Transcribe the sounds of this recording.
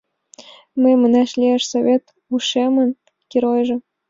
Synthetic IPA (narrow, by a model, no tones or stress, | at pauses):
məjmə̆næʃliæʃsoβʲet̪ | uʃemə̆n | kʲiɾojʒɤ̆